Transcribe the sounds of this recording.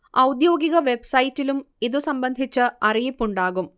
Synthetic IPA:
ɐwd̪jo̞ːɡiɣɐʋe̞bsɐjitːilum | iðɨsɐmbɐnd̪ʱit͡ɕːɨɐrijipːuɳɖaːɣum

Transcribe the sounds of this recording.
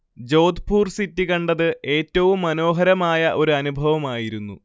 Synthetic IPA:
d͡ʑo̞ːd̪pʰuːrsitːikɐɳɖɐðɨʔe̞ːtːɐʋumːɐno̞ːɦɐɾɐmaːjɐʔo̞ɾuɐnubʱɐʋɐmaːjiɾunːṵ

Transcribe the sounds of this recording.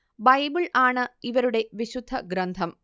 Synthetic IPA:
bɐjbiɭaːɳɨiʋɐɾuɽe̞ʋiɕud̪ʱːɐɡɾɐnd̪ʱɐm

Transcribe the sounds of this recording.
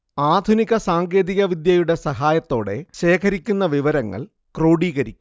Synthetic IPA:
aːd̪ʱuniɣɐsaːŋɡe̞ːðiɣɐʋid̪jɐjuɽe̞sɐɦaːjɐt̪ːo̞ːɽe̞ɕe̞ːkʰɐɾikʲːunːɐʋiʋɐɾɐŋːɐ̰ɭ | kroːɽiːɣɐɾikʲːu̥

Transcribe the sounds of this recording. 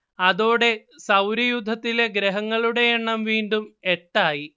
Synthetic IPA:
ɐðoːɽe̞sɐwɾijud̪ʱːɐt̪ːile̞ɡɾeɦɐŋːɐɭuɽe̞jeɳːɐmʋiːnɖumeʈːaːji

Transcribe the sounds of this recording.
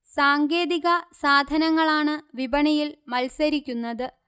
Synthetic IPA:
saːŋɡe̞ːðiɣɐsaːd̪ʱɐnɐŋːɐɭaːɳɨʋibɐɳɐjilmɐlsɐɾikʲːunːɐðɨ

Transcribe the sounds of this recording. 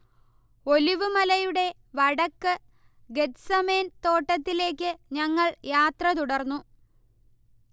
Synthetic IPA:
o̞liʋɨmɐlɐjuɽe̞ | ʋɐɽɐkːɨ | ɡetsɐmeːnt̪o̞ːʈːɐt̪ːile̞ːkʲːɨɲɐŋːɐɭjaːt̪rɐt̪̬uɽɐrnːu

